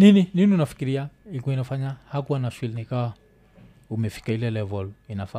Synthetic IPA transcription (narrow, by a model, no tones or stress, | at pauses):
ninininiunafi̥kiɾiaikuinafaɲahakuwanaʃwilinikawa | umɛfi̥kailɛlɛvɔlinafa